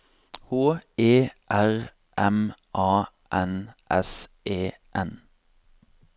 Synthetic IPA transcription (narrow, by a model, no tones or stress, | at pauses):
hoːeːʔæʁ | ʔɛmʔɑː | ʔɛnʔɛ̰sʔeː | ʔɛn